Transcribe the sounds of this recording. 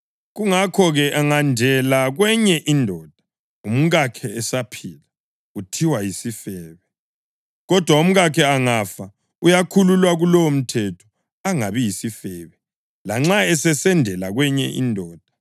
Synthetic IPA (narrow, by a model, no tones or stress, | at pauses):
ɣuŋakʰɔɣɛʔaŋandʱɛlaɣwɛɲɛʔindʱɔːd̥ʱa | um̩ɣakʰɛːsapʰiːla | utʰiwajisifɛːβɛ | ɣɔd̥ʱwaum̩ɣakʰɛaŋafa | ujakʰululwaɣulɔwm̩tʰɛtʰɔ̥ | aŋaβijisifɛβɛ | laŋ͡ǁaɛsɛsɛndʱɛlaɣwɛɲɛʔḭndʱɔːd̥ʱḁ